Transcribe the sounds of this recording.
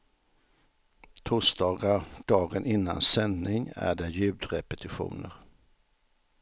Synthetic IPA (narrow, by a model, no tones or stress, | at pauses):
t̪ʰusd̪ɑːɡaɾɖ̪̥ɑːɡənʔɪnːa̰nsɛnnɪŋæ̰ɖɛjʉ̟ːd̪ɾɛpɛt̪ʰɪɧṵːnəɾ